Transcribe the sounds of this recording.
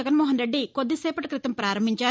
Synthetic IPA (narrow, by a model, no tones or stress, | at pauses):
ɛɡɐnmɔːɦɐnɾe̞ɖːiko̞d̪ːisɛːpɐʈɐkɾit̪ɐmpɾaːɾɐmbʱiɲt͡ʃaː